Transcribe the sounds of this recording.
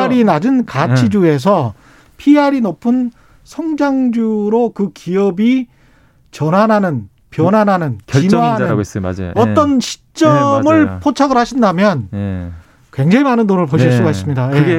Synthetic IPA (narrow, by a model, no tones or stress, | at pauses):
aɾinad͡ʑɯnkat͡ɕʰid͡ʑue̞s̬ʰʌ | pʰiaɾinopʰɯn | sʰʌŋd͡ʑaŋd͡ʑuɾokɯkiʌbi | t͡ɕʌnɦanɦanɯn | pjʌnanɦanɯnkinan̰ʌt͈ʌnɕʰi̥t͡ɕ͈ʌmɯɭpʰot͡ɕʰaɡɯɾhaɕʰindamjʌn | kwe̞ŋd͡ʑaŋimanɯnːonɯɭpoɕʰiɭs͈uɡais͈ɯmɲidaje